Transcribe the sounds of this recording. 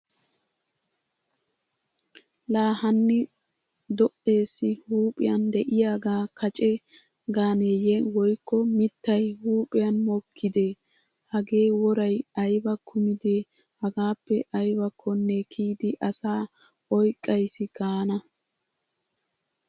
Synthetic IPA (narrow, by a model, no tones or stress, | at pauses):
laːhɐnːɪ | d̪ɔʔe̞ːsːɪhuːpʼɪ̰jɐnd̪ɛʔɪjaːɡaːkʰɐt͡ʃʼɛ | ɡaːneːjewɔjkːɔmɪt̪ːɐjhuːpʼɪjɐnmɔkʰːɪd̪e | hɐɡe̞ːwɔɾɐjɐjbɐkʰʊmɪd̪e | hɐɡaːpːɛʔɐjbɐkʰːɔnːekʰiːd̪ɪʔɐsaː | ɔjkʼːɐjsɪɡaːnɐ